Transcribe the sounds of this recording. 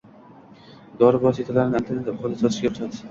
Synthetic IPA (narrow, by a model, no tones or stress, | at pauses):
d̪ɒɾɪvɒsit̪ʰalaɾɪnɪant̪ʰɪlɪd̪ɪqʰolːɪsɒt̪ʰɪʃkʲaɾɪʃad̪ɪ̥